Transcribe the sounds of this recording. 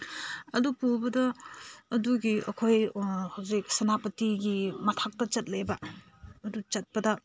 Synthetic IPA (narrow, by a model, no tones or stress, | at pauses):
ɐdupuwbɐdɐː | duɡiɐ̰kʰojhawzik̚sɐnapɐtiɡimɐtʰak̚tɐt͡ʃɐt̚lɐjbɐ | ɐdut͡ʃɐt̚pɐdɐ